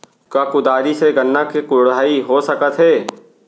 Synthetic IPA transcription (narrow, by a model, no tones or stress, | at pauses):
kakʊd̪aːɾiseɡɐnːakekʊɽaːiɦosɐkət̪ɦɛː